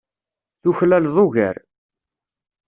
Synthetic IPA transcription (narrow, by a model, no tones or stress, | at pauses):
θuçlælðˤoʝæ̰ɾ